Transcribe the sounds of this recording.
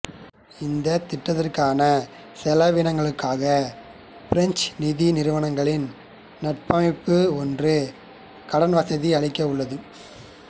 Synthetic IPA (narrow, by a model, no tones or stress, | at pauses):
ɪnd̪ɐt̪ɪʈːɐðɐrkaːnɐ | sɛlɐʋɪnɐŋɡɐɭɯkːaːɣɐ | pɪɾɐɲt͡ʃnɪðinɪɾɯʋɐɳɐŋɡɐɭɪn | nɐʈ̚pɐmɪpːɯɔndrɯ | kɐɽɐnʋɐsɐðiɐɭɪkːɐʊɭːɐðɯ